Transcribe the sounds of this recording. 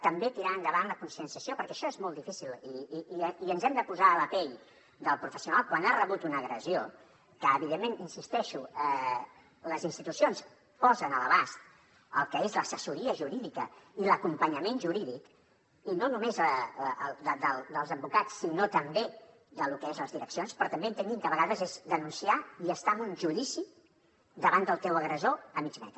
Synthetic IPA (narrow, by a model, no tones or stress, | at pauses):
t̪əmbet̪iɾaənd̪əβanləkunsiənsiəsiopəɾkɛʃɔezmɔlˠd̪ifisilˠiiənzɛmd̪əpuzaːləpɛʎ | d̪əlˠpɾufəsiunalˠkwanarəβut̪unəɣɾəzio | kəːβiðemːeninsist̪ɛʃuə | ləzinst̪it̪usions | pɔzənələβ̞ast̪ | ə̰lˠkəezləsəsuɾiəʒuɾiðikəiləkumpəɲəmenʒuɾiðik | inonumezəəld̪əd̪əlˠd̪əlˠzəmbukat͡sːinot̪əmbe | d̪əlukəezləzðiɾəksionspɾɔt̪əmbeənt̪ənɡ̪imkəβəɣaðəzezd̪ənunsiaiəst̪amunʒuðisi | d̪əβand̪əlˠt̪ɛwəɣɾəzoəmit͡ʃmɛ̰t̪ɾ